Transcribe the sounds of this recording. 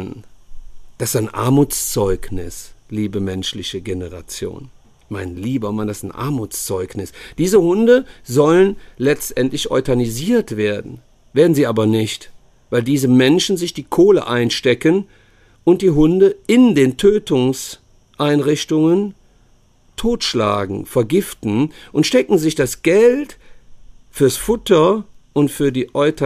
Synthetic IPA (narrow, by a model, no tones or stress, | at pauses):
n | d̥assaɪnʔa̰ɐmuːt͡st͡sɔʏknɪsliːbəmɛnʃlɪçəɡenəʁa̰t͡sjo̰ːn | maɪnliːbɐmandasanʔa̰ɐmuːt͡st͡sɔʏknɪsd̥iːzəhʊndəzɔlənlɛt͡stʔɛntlɪçʔɔ̰ʏɡaniziːɐtv̥eːɐdn̩ | veːɐdn̩ziːaːbɐnɪçt | v̥aɪldiːzəmɛnʃn̩zɪçd̥iːkʰoːlə̰ʔaɪnʃtɛkən | ʔʊnt̚d̥iːɦʊndəɪndeːntʰøːtʊŋs | ʔaɪnʁɪçtʊŋən | tʰoːtʃla̰ːɡŋ̩fɛɐɡɪftn̩ʔʊntʃtɛkŋ̩zɪçd̥asɡ̥ɛlt | fyːɐsfʊtɐʔʊntfyːɐdiːʔɔʏtʰa